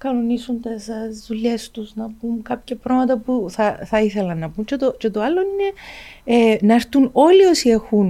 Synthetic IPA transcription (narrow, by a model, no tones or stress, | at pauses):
kɐnonisunt̪esɐzðuʎːe̞st̪usnɐpumkɐpçɐpɾomɐt̪ɐpuθɐθɐiθe̞lɐnːɐpumcet̪oce̞t̪oɐlːo̞nine̞enɐeɾt̪uno̞lio̞sie̞xun